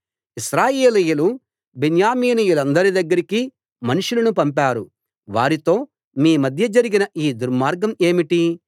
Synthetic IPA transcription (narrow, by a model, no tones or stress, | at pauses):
iʃɾaːjeːlijulu | benjaːmiːniːjulɐnd̪ɐɾid̪ɐɡːɐɾiki | mɐnuʂulɐnupɐmpaːɾu | ʋaːɾit̪o̞ː | miːmɐd̪ʱjɐd͡ʒɐɾiɡinɐʔiːd̪uɾmaːɾɡɐme̞ːmiʈi